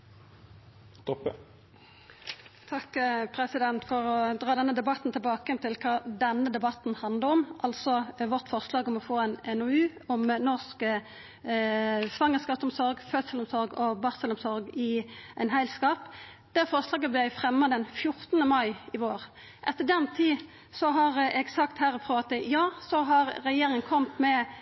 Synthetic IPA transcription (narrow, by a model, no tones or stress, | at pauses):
t̪ɔ | t̪ʰɑkːpʰʁɛsɪd̪ɛnt̪fɔʁɔd̪ɾʁɑːd̪ɛnːəd̪ɛbɑt̪n̩t̪ʰɪlbɑːkəjɛnt̪ʰɪlkʰɑːd̪ɛnːəd̪ɛbɑt̪n̩hɑnd̪ləʁɔmʔɑlsɔʋɔʁt̪fɔʁslɑːɡɔmɔfoːɛnɛnɔʉː | ɔmnɔʁskə | sʋɑŋːəskɑːsɔmsɔɾɡfœt̪səlɔmsɔɾɡɔbɑʁsəlʊmsɔɾɡɪʔæɪnhæɪlskɑːp | d̪̥æfɔʁslɑːɡəblæfʁɛmːɑd̪ɛnfjʊɾt̪ənəmɑɪɪʋoːʁ | ʔɛt̪ːəɖɛnt̪ʰiː | sɔɦɑʁɛɡsɑkt̪hæɾəfʁuːʋɑt̪ːɪjɑːsɔɦɑʁʁɛjeːɾɪŋənkʰɔmt̪mɛ